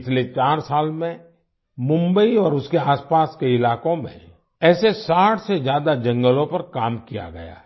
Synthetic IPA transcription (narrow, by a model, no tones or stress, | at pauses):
t͡ʃʰlet͡ʃaːɾsaːlmẽ | mʊ̃mbəiɔːɾʊskeaːspaːskeɪlaːkõmḛ̃ | ɛːsesaːʈʰsezjaːd̪ad͡ʒɐ̃ŋɡəlõpɐɾkaːmkija̰ɡɐ̰ja̰